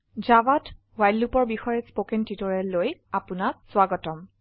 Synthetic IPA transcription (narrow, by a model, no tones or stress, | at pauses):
zabat | wajlːupɔɹbixɔjɛspokɛntitɔɹɛlojapunak̚swaɡɔtɔm